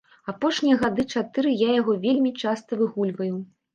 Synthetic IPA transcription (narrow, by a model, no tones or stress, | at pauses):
apɔʂnʲijɐɣad̪ɨt͡ʂat̪ɨɾɨjajaɣɔvʲelʲmʲit͡ʂast̪ɐvɨɣulʲvɐju